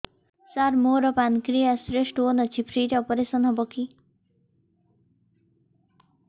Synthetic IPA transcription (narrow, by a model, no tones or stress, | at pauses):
saɾmoɾɔpankɾijasɾeʂʈonʌt͡ʃʰipʰɾiʈɔpɔɾesɔnɦɔboki